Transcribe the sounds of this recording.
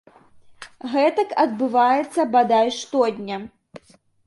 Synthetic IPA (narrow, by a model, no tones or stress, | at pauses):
ɣɛt̪ɐkɐd̪̚bɨvajɛt̪sːɐbad̪ajʂt̪ɔd̪ʲnʲɐ